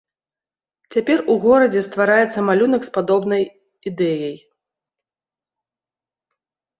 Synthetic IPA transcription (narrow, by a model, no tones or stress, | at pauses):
t͡sʲapʲɛruɣɔɾɐd͡zʲɛst̪vaɾajɛt̪sːɐmalʲunɐkspad̪ɔbnɐj | id̪ɛjɐj